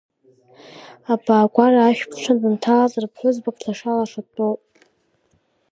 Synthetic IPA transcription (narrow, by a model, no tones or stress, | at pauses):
abaːɡʷaraːʃᶣpʰʂʰandʼɨntʰalazarpʰħʷʊzbakʰʼɬʰaʂalaʂatʼopʼ